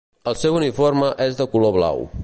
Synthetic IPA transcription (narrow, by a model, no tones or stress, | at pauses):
əlˠsɛwuniforməʔɛzðəkuloβla̰w